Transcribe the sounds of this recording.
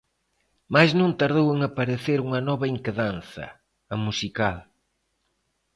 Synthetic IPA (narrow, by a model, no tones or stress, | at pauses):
majznũnt̪aɾð̞oweŋapɐɾeθeɾuŋɐnɔβɐeŋkeðanθɐ̰ | ɐmusikal